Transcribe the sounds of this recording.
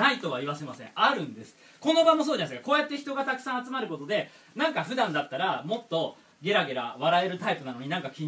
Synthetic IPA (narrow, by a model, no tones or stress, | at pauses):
ait̪o̞β̞aiβase̞masẽ̞̰aɾɯ̟̃nd̪e̞sɨ̥ | ko̞no̞bamo̞s̬oːd͡ʑanasɨ̥kḁko̞ːjat̪ːe̞çi̥t̪o̞ɡat̪akɯ̟̥sãat͡sɨmaɾɯ̟ko̞t̪o̞d̪e̞ | nãŋkaɸɯ̟d̪ãnd̪at̪ːaɾamo̞t̪ːo̞ | ɡe̞ɾaɡe̞ɾa̰βaɾae̞ɾɯ̟t̪aipɯ̟nanoɲ̟inãŋkakʲĩɲ